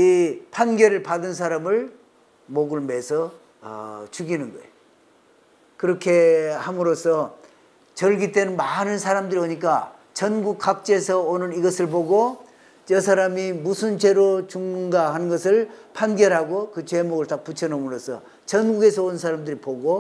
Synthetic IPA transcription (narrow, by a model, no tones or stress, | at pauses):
ipʰanɡjʌɾɯɭpadɯns̬ʰaɾamɯɭ | moɡɯɭme̞sʰʌ̰ː | t͡ɕuɡinɯnɡʌe | kɯɾʌkʰe̞hamɯɾosʰʌ | t͡ɕʌɭɡit͈enɯnmanɯnsʰaɾamdɯɾioɲik̬͈a | t͡ɕʌnɡuk̚k͈ak̚t͡ɕ͈esʰʌonɯniɡʌsʰɯɭpoɡo | jʌsʰaɾamimusʰɯnt͡ɕe̞ɾot͡ɕuŋŋɡaɦanɯnɡʌsʰɯɭpʰanɡjʌɾɦaɡokɯt͡ɕe̞moɡɯɭtak̚p͈ut͡ɕʰʌnomɯɾosʰʌ̰ | t͡ɕʌnɡuɡe̞sʰʌonɯnsʰaɾamdɯɾipoɡo